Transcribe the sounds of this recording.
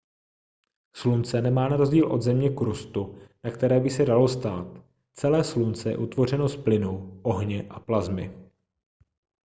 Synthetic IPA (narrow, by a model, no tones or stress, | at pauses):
slunt͡sɛnɛmaːnaɾo̞zɟiːlʔo̞d̪zɛmɲɛkɾust̪unakt̪ɛɾɛːbɪsɛdalo̞st̪aːt̪ | t͡sɛlɛːslunt͡sɛjɛ̰ʔut̪vo̞r̝ɛno̞splɪnuʔo̞ɦɲɛʔaplazmɪ